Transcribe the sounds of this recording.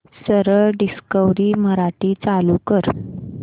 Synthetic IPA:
səɾəɭɖiskəʋɾiːməɾaʈiːt͡salukəɾ

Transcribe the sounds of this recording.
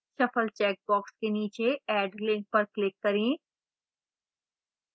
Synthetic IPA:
ʃɐpʰəlt͡ʃɛːk̚bɔːkskeniːt͡ʃeɛːɖlɪ̃ŋk̚pɐɾklɪkːɐɾẽː

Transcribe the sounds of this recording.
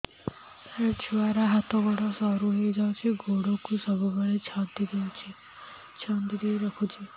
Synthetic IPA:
sat͡ʃʰuaɾaɦat̪ɔɡɔɽɔsɔɾuɦejd͡ʒawt͡ʃʰiɡʱoɽɔkusɔbʱumaɽet͡ʃʰant̪id̪ewt͡ʃʰi | t͡ʃʰand̪id̪eɾɔkʰut͡ʃʰi

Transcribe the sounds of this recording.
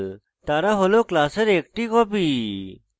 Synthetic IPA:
t̪aːɾaːɦoloːklaːseɾeːk̚ʈiːkɔːpiː

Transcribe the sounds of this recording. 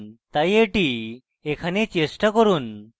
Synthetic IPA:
t̪ajeʈi | ekʰanet͡ɕesʈakəɾuːn

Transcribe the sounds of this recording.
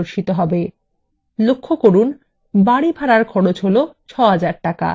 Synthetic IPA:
oɾʃit̪oɦɔbe | lokʰːokoɾun | baɽibʱaɽaɾɡʰʱɔɽot͡ɕɦolot͡ɕʰɔɦad͡ʑaɾʈaka̰

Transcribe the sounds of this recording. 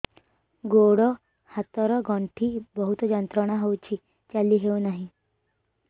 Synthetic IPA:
ɡoɽɔ | hat̪ɔɾɔɡɔ̃ɳʈʰiːbəɦut̪ɔd͡ʑənt̪ɾəɽ̃aɦowt͡ɕiː | t͡ɕalːiːɦeunaɦi

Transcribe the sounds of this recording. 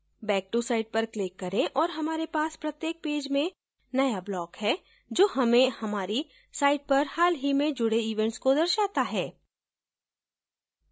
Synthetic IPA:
bɛːk̚ʈusaːɪɖ̚pɐɾklɪkːɐɾẽʔɔːɾɦɐmaːɾepaːspɾɐt̪jeːk̚peːd͡ʒmẽ | nɐjablɔːkhɛ | d͡ʒoːɦɐmẽhɐmaːɾi | saːɪʈ̚pɐɾhaːlɦimẽd͡ʒʊɽeiːʋɛ̃ɳʈskod̪ɐɾʃaːt̪aɦɛː

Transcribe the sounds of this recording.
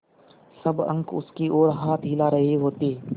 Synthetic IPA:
səbə̰̃ŋkʊ̰skiːʔoːɾɦaːt̪ʰiːlaːɾɐɦiɦoːt̪iː

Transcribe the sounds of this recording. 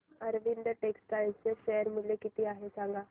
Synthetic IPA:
əɾʋind̪əʈekskanseʃeːəɾmɪlekit̪iaːɦesãːŋɡaː

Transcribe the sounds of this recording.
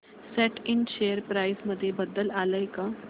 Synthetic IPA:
sɛʈɪnʃeːjəɾpɾaːɪsmɐd̪ʱjebəd̪əlaːləjka

